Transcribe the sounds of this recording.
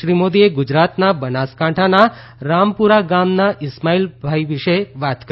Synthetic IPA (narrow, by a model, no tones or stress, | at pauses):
ɾimod̪ieɡʊd͡ʒɾat̪nabənaskãʈʰana | ɾampuɾaɡamnaʔɪsmailbʱaiʋɪʃeʋat̪k